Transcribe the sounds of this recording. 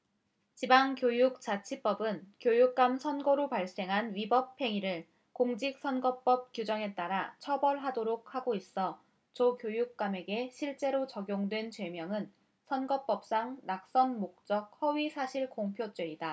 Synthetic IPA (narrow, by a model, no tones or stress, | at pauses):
t͡ɕibaŋkjojuk̚t͡ɕ͈at͡ɕʰip͈ʌbɯnkjojuk̚k͈amsʰʌnɡoɾopaɭs͈e̞ŋɦanɥibʌpʰe̞ŋiɾɯɭ | koŋd͡ʑik̚s͈ʰʌnɡʌp͈ʌp̚kjud͡ʑʌŋe̞t͈aɾat͡ɕʰʌbʌɭɦadoɾok̚haɡois͈ʌ | t͡ɕokjojuk̚k͈ameɡe̞ɕʰiɭt͡ɕ͈e̞ɾot͡ɕʌɡjoŋdwe̞nt͡ɕwe̞mjʌŋɯn | sʰʌnɡʌp͈ʌp̚s͈aŋnak̚s͈ʌnmok̚t͡ɕ͈ʌk̚hʌɥisʰaɕʰiɭkoŋpʰjot͡ɕ͈weida